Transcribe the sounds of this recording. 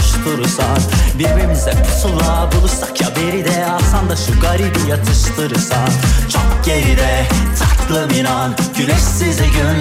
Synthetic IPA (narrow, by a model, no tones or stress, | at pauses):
ʃt̪ʰɯɾɯsanbiɾbiɾmizd̪ɛkʰot̪ʰulˠabulˠusakjabeɾid̪ɛat̪and̪aʃuɡaɾibijat̪ʰɯʃt̪ʰɯɾɯsant͡ʃʰokɟeɾid̪ɛt̪ʰaklˠɯminanɟylyʃsiziɟyn